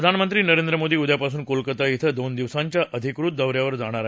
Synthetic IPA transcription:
əd̪ʱanmənt̪ɾiːnəɾẽnd̪ɾəmod̪iːud̪ʱjapasuːnkolkət̪ait̪ʰəd̪ond̪iʋsaɲt͡ɕjaʔəd̪ʱikɾut̪̚d̪əʋɾjaʋəɾd͡zaɽ̃aɾ

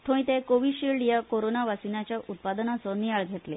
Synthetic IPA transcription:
t̪ʰõĩt̪ekoʋiɕiɭɖjakoɾonaʋasinat͡ɕjaʔut̪̚pad̪nat͡sɔnijaɭɡʱet̪le

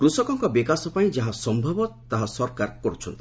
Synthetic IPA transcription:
kɾusɔkɔŋkɔbikasɔpaĩd͡ʒaɦasɔmbʱɔbɔt̪aɦasɔɾkaɾkɔɾut͡ʃʰɔnt̪i̥

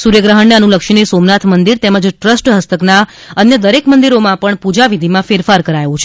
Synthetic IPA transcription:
suɾjəɡɾəɦəɳneənuləkʃiɳisomnat̪ʰmənd̪iɾt̪ɛməd͡ʒʈɾəsʈɦəst̪əkna | ənjəd̪əɾekmənd̪iɾomãpəɳpud͡ʒaʋid̪ʱimãfeɾfaɾkəɾajʋũt͡ʃʰe

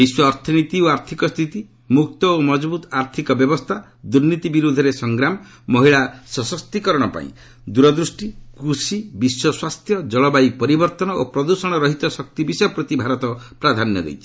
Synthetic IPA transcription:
biswɔɾt̪ʰɔnit̪ioaɾt̪ʰikɔst̪ʰit̪i | mukt̪ɔomɔd͡ʒbut̪aɾt̪ʰikɔbjɔbɔst̪ʰa | d̪uɾnit̪ibiɾud̪ʱɔɾesɔŋɡɾamɔː | ɔɦiɭasɔsɔst̪ikɔɾɔɽ̃ɔpa̰ḭ̃ | d̪uɾɔd̪ɾusʈikusibiswɔswast̪ʰjɔd͡ʒɔɭɔbaipɔɾibɔɾt̪ɔnɔopɾɔd̪usɔɽ̃ɔɾɔɦit̪ɔsɔkt̪ibisɔjɔpɾɔt̪ibʱaɾɔt̪ɔpɾad̪ʱanjɔ̰ɾḛjt͡ʃʰi̥

